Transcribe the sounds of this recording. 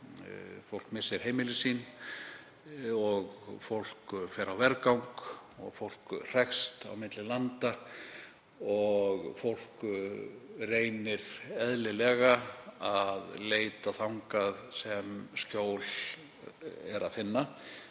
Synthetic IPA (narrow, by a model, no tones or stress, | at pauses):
fowl̥kmɪsːɪɾ̥ɦejmɪlɪsiːn | ɔɣfowl̥kfɛɾawvɛɾkawŋkɔ̰ɣfowl̥kr̥ɛxst̪a̰wmɪt̪lɪlant̪a | ɔɣfowl̥k | reːjnɪɾɛðlɪlɛɣaaðleːjt̪aθawŋkaðsɛmscoːwl | ɛɾaðfɪnːa